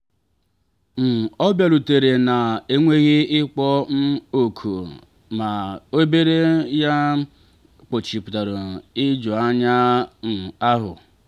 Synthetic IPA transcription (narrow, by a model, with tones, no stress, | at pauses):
m̩˨ɔ˦bja˨ɾu˨te˨ɾe˨na˨e˦ŋʷe˦ɣi˦ɪ˦k͡pɔ˦n̩˦o˨kʰṵ˨ | ma˨o˦be˦ɾe˦ja˦ | k͡po˨t͡ʃi˨pʊ˨ta˨ɾo˨ɪ˦d͡ʒo˨a˦ɲa˦ŋ̩˨a˦ɦʊ̰˨